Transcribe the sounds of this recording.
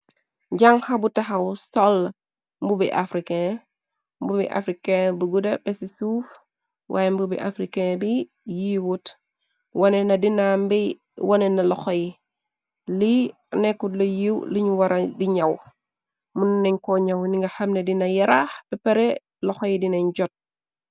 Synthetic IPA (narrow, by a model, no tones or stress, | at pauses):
ɟaŋxɐbutɐxɐwsɔl | mbubiʔa̰fɾikɛ | mbubḭʔa̰fɾikɛbuɡudɐpɛsisuf | wʔa̰ːjɛmbubḭʔafɾikɛbi | jiwut | wɐnɛnɐdinambi | wɐnɛnɐlɔxɔji | li | nɛkːudlɐjiwliɲuwɐɾɐdiɲɐw | munnɛɲkɔɲɐwniŋɡɐxɐmnedinɐjɐɾaxbɛpɛɾɛ | lɔxɔjidinɐɲɟɔt̚